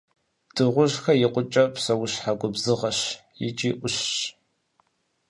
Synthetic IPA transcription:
d̥ɨʁʷʊʒxɐjɪqʷʊt͡ʃʼɐpʰsɐwʊɕħaɡʷʊbzɨʁɐɕjɪ̰t͡ʃʼiʔʷʊɕɕ

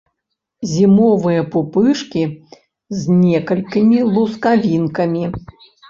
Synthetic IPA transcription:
zʲimɔvɨjɐpupɨʂkʲi | zʲnʲɛkɐlʲkʲimʲilˠuskavʲinkɐmʲi

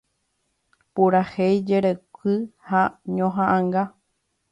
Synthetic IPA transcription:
puɾahejd͡ʒeɾekɨhaɲõɦãʔãŋɡa

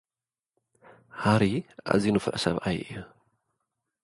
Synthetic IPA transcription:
haɾiʔa̰zinufɨ̰ʔɨsɐβʔajʔɨju

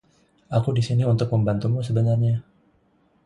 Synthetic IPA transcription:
akudisiniunt̪ʊk̚məmbant̪umusəbənarɲa

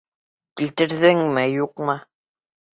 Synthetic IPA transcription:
kilt̪ɘ̆ɾðɘŋmɘjuqmɤ

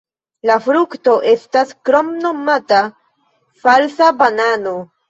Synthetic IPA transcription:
lafɾukto̞ʔe̞staskɾomno̞mata | falsabanano

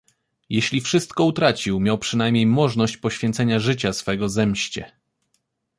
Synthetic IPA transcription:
jeɕlʲifʂɘst̪kɔut̪ɾat͡ɕiwmʲjawpʂɘnajmʲɲejmɔʐnɔɕt͡ɕpɔɕfʲjɛnt̪sɛɲaʐɘt͡ɕasfɛɡɔzɛmɕt͡ɕɛ̰

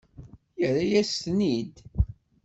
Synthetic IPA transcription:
jəɾajæstnid̪

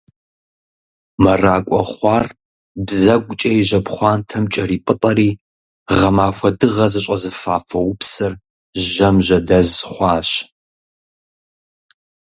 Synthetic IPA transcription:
mɐraːkʷʼɔ̰χʷɑːr | bzɐɡʷʼʊt͡ʃʼɐjiʒɐpχʷɑːntʰɐmt͡ʃʼɐriːpʼɨtʼɐɾiː | ʁɐmaːxʷɐdɨʁɐzɨɕʷʼɐzɨfaːfɐwʊpsɐr | ʒɐmʒɐdɐzχʷɑːɕ

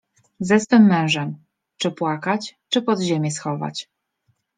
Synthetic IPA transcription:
zɛst̪ɛmːɛ̃w̃ʐɛm | t͡ʂɘpwakat͡ɕt͡ʂɘpɔd̪ʑemʲjɛsxɔva̰t͡ɕ

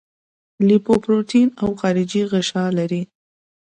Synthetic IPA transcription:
lipopɾoʈinawxɑɾɪd͡ʒiɣɪʃɑlaɾi

